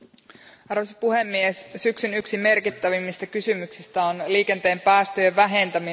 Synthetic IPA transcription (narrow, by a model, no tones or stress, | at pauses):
ɑrʋesipuɦe̞mːiessyksynyksime̞rkit̪ːæʋimːist̪ækysymyksist̪æonliːke̞nt̪e̞ːmpæːst̪øjeʋʋæɦe̞nt̪æmi